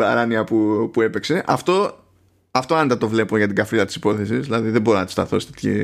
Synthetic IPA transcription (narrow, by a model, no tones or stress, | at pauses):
bɐɾɐniɐpupue̞pe̞kse̞ʔɐft̪o̞ | ɐft̪o̞ɐnd̪ɐt̪o̞vle̞poʝɐt̪iɡɐfɾilɐt̪i̥si̥po̞θe̞sisðilɐðiðebo̞ɾinɐt̪u̥st̪ɐ̰θo̞st̪et̪çḭ